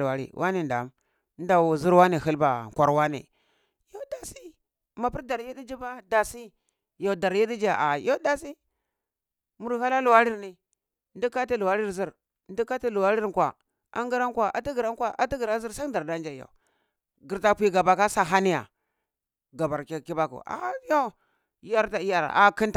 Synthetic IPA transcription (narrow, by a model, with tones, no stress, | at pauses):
wa˨ɾḭ˦˨wʔa˦ni˨nda̰˨˦m | n˦da˨wu˨zi˦ɾwa˦ni˨ɦi˦lba˨kʷa˨ɾwa˦nḭ˨ | jo˦da˨si˦ | ma˨pi˦ɾda˨ɾji˦di˦d͡ʒi˦ba˦da˨si˦ | jo˨da˨ɾji˦di˦d͡ʒa˨ʔa˨jo˦da˨si˦ | mu˨ɾha˦la˦lu˨wa˦ɾi˦ɾni˨ | ndi˦ka˦ti˦lu˨wa˦ɾi˦ɾzi˦ɾ | ndi˦ka˦ti˦lu˨wa˦ɾi˦ɾkʷwa̰˨ | ʔa̰˦ŋɡi˦ɾa˦ŋ˦kwa˨ʔa̰˨ti˦ɡi˨ɾa˦ŋkwa˨ʔa̰˨˦ti˦ɡi˨ɾa˦zi˦ɾsa˦da˨ɾda˦nd͡ʒa˨jo̰˨ | ɡi˨ɾta˦pʷi˦ɡa˨ba˨ka˦sa˨ɦa˦ni˦ja̰˨ | ɡa˨ba˨ɾkki˦ba˦kṵ˨a̰˨˦jo˦˨˦ | ja˦ɾta˨i˦ja˦ɾ̰a˨ki˦nta˨